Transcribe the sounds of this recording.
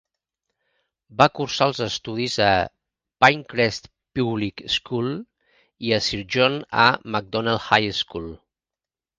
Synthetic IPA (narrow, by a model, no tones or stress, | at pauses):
bakuɾsaəlˠzəst̪uðizə | pajŋkɾɛst̪ | puβlikskulˠ | iəsiɾʒonə̰mək̚d̪ɔnalˠhajskulˠ